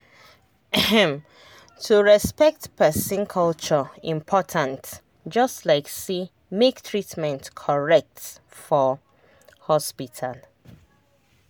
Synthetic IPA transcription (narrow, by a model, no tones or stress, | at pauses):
tʰuɹɛspɛk̚tpʰɛsĩnkʰɔlt͡ʃɔĩmpʰɔtʰãnt | d͡ʒʌstlaɪksi | mektʰɹitmɛ̃ntkʰɔɹɛk̚tfɔ | hɔspitʰal